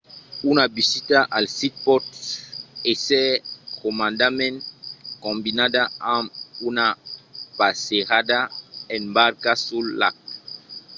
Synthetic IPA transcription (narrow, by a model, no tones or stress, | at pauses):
unabisitaʔalsit̚pɔt | esɛkomãndamɛ̃nkɔ̃mbinadaamunapaseʁadaɛnbaɾkasulːa̰k̚